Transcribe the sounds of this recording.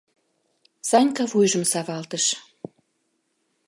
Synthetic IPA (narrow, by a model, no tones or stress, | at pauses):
sɑnʲkɑvujʒəmsɑβɑlt̪əʃ